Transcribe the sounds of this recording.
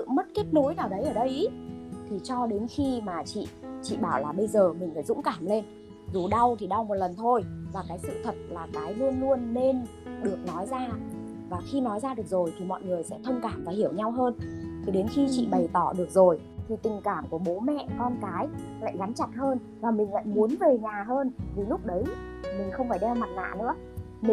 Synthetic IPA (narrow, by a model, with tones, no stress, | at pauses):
ɨ̰˧˨mə˦˥t̚ke˦˥p̚no˨˦jnaː˧˩ɗə˨˦jʔəː˧˩ɗə˧jʔt̪ʰi˨˩t͡ɕɔ˧ɗe˨˦nxi˧maː˨˩t͡ɕḭ˧˨t͡ɕḭ˧˨ɓaː˧˩wlaː˨˩ɓə˧jzəː˨˩mï˨˩ŋ̟faː˧˩jzʊ̰˧˥ŋ͡mkaː˧˩mle˧n | zu˨˩ɗa˧wt̪ʰi˨˩ɗa˧wmo˨˩t̚lə˨˩nt̪ʰo˧jvaː˨˩kaː˨˦jsɨ̰˧˨t̪ʰə˨˩t̚laː˨˩kaː˨˦jlu˧ənlu˧ənːe˧n | ɗɨ˨˩ək̚nɔ˨˦jzaː˧ | vaː˨˩xi˧nɔ˨˦jzaː˧ɗɨ˨˩ək̚zo˨˩jt̪ʰi˨˩mɔ̰˧˨jŋɨ˨˩əjsɛ̰˧˥t̪ʰə˧wŋ͡mkaː˧˩mvaː˨˩hi˧˩əwɲa˧wɦəː˧nt̪ʰi˨˩ɗe˨˦nxi˧t͡ɕḭ˧˨ɓə˨˩jt̪ɔ˧˩ɗɨ˨˩ək̚zo˨˩j | t̪ʰi˨˩t̪ï˨˩ŋkaː˧˩mku˧˩əɓo˨˦mɛ̰˧˨kɔ˧nkaː˨˦jla̰ː˧˨jɣa˨˦nt͡ɕa˨˩t̚həː˧n | vaː˨˩mï˨˩ŋ̟la̰ː˧˨jmu˨˦ənve˨˩ɲaː˨˩ɦəː˧nt̪ʰi˨˩lʊ˦˥k͡p̚ɗə˨˦j | mï˨˩ŋ̟xə˧wŋ͡mfaː˧˩jɗɛ˧wma˨˩t̚ŋa̰ː˧˨nɨ̰˧˥ə | mi˨